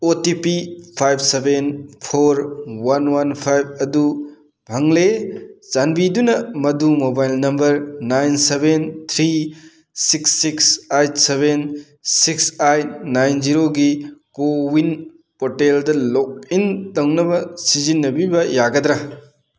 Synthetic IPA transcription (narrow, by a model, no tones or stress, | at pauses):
otipipʰajb̚ʰsebenpʰoɾwanwanpʰajb̚ɐdu | bʱɐŋlezanbidunɐmɐdumobajlnɐmbɐɾnajnsebent̪ʰɾi | siksːiksajtseben | siksajtnajnziɾoɡikowin | poteldɐlok̚intɐwnɐbɐsizinːɐbibɐjaɡɐd̪ɾɐ